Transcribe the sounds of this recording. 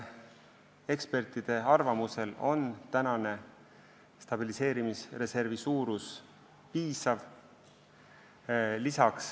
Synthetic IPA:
e̞kspe̞rt̪id̪̥e̞ɑrvɑmuse̞lo̞̰nt̪ænɑne̞ | st̪ɑb̥ilise̞ːɾimisre̞se̞rvisuːɾus | piːsɑv | lisɑks

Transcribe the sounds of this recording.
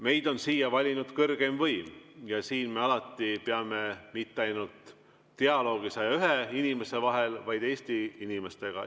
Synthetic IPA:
me̞jd̪o̞nsiːjɑvɑlʲinud̪̥kɤrɡ̥e̞mvɤjmjɑsiːnme̞ɑlɑt̪ːˑipeɑme̞mit̪ːeɑjnult̪ː | eɑlo̞ːɡ̥isɑjɑyɦeinime̞se̞vɑɦe̞lvɑjd̪̥e̞ːst̪iinime̞st̪e̞ɡ̥ɑ̰

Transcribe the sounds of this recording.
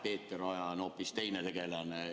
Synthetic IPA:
pe̞ːt̪ːˑeɾɑjɑno̞ːpːist̪e̞jnet̪e̞ɡe̞lɑne

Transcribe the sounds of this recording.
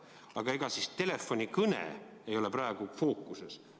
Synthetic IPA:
ɑɡ̥ɑeɡ̥ɑsist̪e̞le̞fonʲikɤnḛ | ejo̞leprɑeɡ̥ufo̞ːkːˑuses

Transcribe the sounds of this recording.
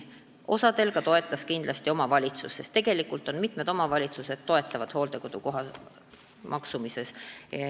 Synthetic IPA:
ʔo̞sɑd̪̥e̞lɡ̥ɑt̪o̞e̞t̪ːˑɑskind̪lɑst̪io̞mɑvɑlʲit̪susːest̪ːe̞ɡ̥e̞likːult̪ːˑo̞nmit̪med̪̥o̞mɑvɑlʲit̪suse̞d̪̥t̪ːo̞e̞t̪ːˑɑvɑd̪̥ho̞ːld̪̥e̞ko̞d̪̥uko̞ɦɑ | mʔɑksumise̞s

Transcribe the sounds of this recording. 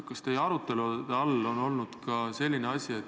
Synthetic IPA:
kɑst̪e̞jeɑɾut̪ːˑe̞lud̪eɑlːo̞no̞lnud̪̥kɑse̞lʲːineɑsʲie̞t̪ː

